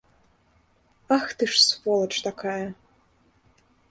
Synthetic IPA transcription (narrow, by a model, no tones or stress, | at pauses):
axt̪ɨʂsvɔlˠɐʈ͡ʂʰʼt̪akʰaːjɐ